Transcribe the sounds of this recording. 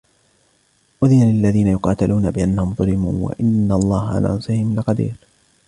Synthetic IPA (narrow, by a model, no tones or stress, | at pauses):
ʔʊðiːnalɪalːaðiːnajʊqɑːt̪alʔuːnabɪʔanːahʊmðˤʊlɪmuːnwa̰ʔɪnːaɑlˤːɑːhaʕa̰la̰ːʕɑnsˤɪhɪmlɪqɑd̪ḭːɾ